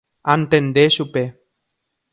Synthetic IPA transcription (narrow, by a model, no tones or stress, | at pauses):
ant̪end̪eʃupe